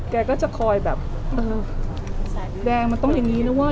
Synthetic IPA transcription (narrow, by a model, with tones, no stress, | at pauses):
kɛː˧kɔː˥˩t͡ɕa˨˩kʰɔː˧jbɛː˨˩p̚ | ʔɤː˧ | dɛː˧ŋma˧nt̪ɔ˥˩ŋja˨˩ŋniː˦˥na˦˥waː˥˩